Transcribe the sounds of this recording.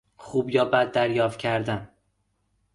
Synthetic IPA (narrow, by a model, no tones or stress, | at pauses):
xuːbjɒːbæd̪ːæɾjɒːft̪̚cʰæɾd̪æn